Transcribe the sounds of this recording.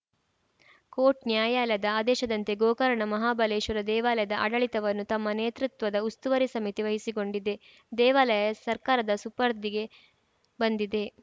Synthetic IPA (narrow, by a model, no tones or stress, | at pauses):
koːʈ̚njaːjaːlɐd̪ɐaːd̪ɛːʃɐd̪ɐnt̪e̞ɡoːkɐɾɐɳɐmɐɦaːbɐleːʃɐɾɐd̪ɛːʋaːlɐjɐd̪ɐʔɐɽɐɭit̪ɐʋɐnːut̪ɐmːɐneːt̪ɾut̪ʋɐd̪ɐust̪uʋɐɾisɐmit̪iʋɐɦisiɡo̞ɳɖid̪e̞ | d̪ɛːʋaːlɐjɐsɐɾkaːɾɐd̪ɐsupɐɾd̪iɡe̞ | bɐnd̪id̪e̞